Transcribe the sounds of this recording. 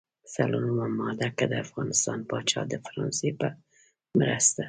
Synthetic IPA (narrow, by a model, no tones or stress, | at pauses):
salonumamɑd̪akad̪əafɣɑnɪst̪ɑnpɑt͡ʃɑ̰d̪əfaɾɑnsepə | mɾast̪a